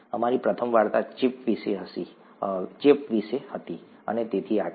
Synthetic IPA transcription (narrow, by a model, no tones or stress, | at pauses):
əmaɾipɾət̪ʰəmʋaɾt̪at͡ʃɪpʋiʃeɦəʃi | t͡ʃipʋiʃehət̪i | ə̰net̪et̪ʰia